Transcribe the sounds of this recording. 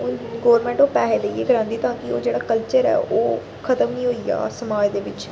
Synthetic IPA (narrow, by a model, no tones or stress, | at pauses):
ɡoːɾmɛ̃ːɳʈoːpɛːɦeːləieːɡəɾãːnd̪iːt̪ãːkɪo̰ːd͡ʒeːɽaːkəlt͡ʃəɾɛ̰ːʔoː | kʰət̪əmnĩːɦoːiːa̰ːsəmaːd͡ʒd̪eːʋɪt͡ʃ